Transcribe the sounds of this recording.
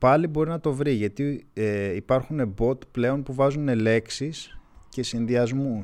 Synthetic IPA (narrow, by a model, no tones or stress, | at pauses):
pɐlibo̞ɾinɐt̪o̞vɾiʝɐt̪ieipɐɾxune̞bo̞t̪ple̞o̞npuvɐzune̞le̞ksisce̞sinðiɐzmu